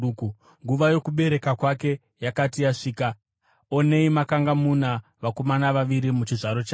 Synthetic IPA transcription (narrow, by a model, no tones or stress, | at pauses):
ku | ŋɡuʋajo̞kuɓe̞ɾe̞kakwake̞ | jakatijaʂiːka | o̞ne̞imakaŋɡamunaʋako̞manaʋaʋiɾimut͡ʃiʐaɾot͡ʃaː